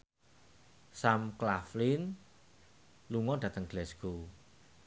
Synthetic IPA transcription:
samklaflin | luŋɔɖ̥ä̤t̪əŋɡ̥lɛsɡ̥o

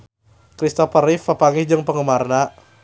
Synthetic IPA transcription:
kɾist̪ɔfəɾifəpaŋɪhd͡ʒəŋpəŋəmarna

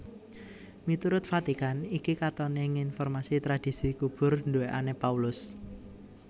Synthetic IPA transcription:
mit̪uɾʊt̪̚fat̪ikanikikat̪ɔneŋinfɔrmasit̪ɾad̥i̤sikub̥ʊ̤rndueʔa̰nepaulʊs

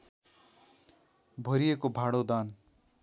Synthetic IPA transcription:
bʱʌɾijekobʱaɽod̪an

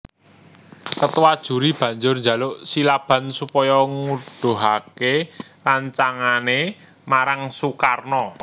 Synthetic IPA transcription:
kət̪uwad̥ʒ̥ṳɾib̥ä̤ɲd͡ʒʊrnd͡ʒa̤lʊʔsilab̥ä̤nsupɔjɔŋud̥o̤ɦakeraɲt͡ʃaŋane | maɾaŋsukarnɔ

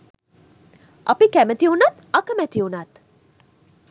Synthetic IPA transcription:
ʔɐpikæmət̪iunat̪akəmɛt̪iunat̪

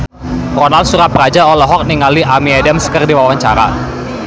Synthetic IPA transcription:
rɔnalsuɾapəɾad͡ʒaɔlɔɦɔk̚niŋaliʔamiɛdɛmskərdiwawaɲt͡ʃa̰ɾa̰

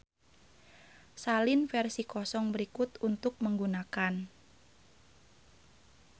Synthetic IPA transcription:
salɪnfɛrsikɔsɔŋbəɾikʊt̪unt̪ʊk̚məŋɡunakan

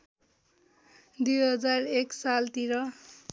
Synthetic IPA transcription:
d̪ujɦʌd͡zareksalt̪iɾʌ

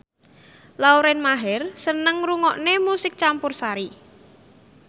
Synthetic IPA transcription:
lauɾɛnmaɦɛrsənəŋruŋɔʔnemusɪk̚t͡ʃampʊrsaɾi

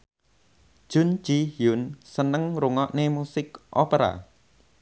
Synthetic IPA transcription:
ʒ̥ʊ̤n̥d͡ʒ̥ihjʊnsənəŋɾuŋɔʔnemusɪkʔopeɾa̰

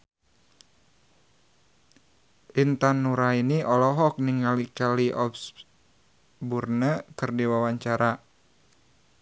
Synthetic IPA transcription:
ʔint̪anːuɾainiʔɔlɔɦɔk̚niŋalikaliʔɔps | burnəkɨrdiwawaɲt͡ʃaɾa

